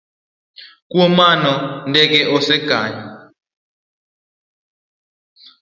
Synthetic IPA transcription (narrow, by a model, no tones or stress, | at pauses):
k̬ʼuɔmanɔndʼɛk̬ɛʔɔsɛɡ̥ʱaːɲa